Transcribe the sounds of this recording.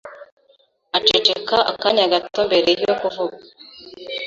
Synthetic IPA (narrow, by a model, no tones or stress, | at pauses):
at͡ʃet͡ʃekaʔa̰kaɲaɡato̞mbe̞ɾe̞jokuvuɡa